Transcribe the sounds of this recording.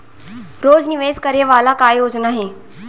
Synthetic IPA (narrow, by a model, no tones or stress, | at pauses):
ɾoːd͡zniʋeːzkəɾeʋaːlakaːjoːd͡ʒnaɦe